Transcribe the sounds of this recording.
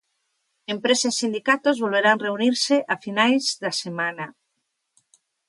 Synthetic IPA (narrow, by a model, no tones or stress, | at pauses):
empɾesaisind̪ikat̪ozβolβeɾaŋreuniɾseʔafinajzðasemanɐ